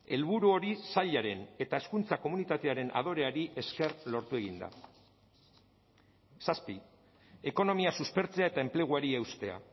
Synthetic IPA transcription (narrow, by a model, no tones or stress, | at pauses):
e̞lβuɾuo̞ɾisaʎaɾe̞ne̞t̪ae̞skunt͡sako̞munit̪at̪e̞aɾe̞nʔa̰ð̞o̞ɾe̞aɾiʔe̞ske̞rlo̞ɾt̪ue̞ɣ̞ind̪a̰ | saspi | e̞ko̞no̞miasuspe̞ɾt͡se̞aet̪aemple̞ɣ̞uaɾiewst̪e̞a̰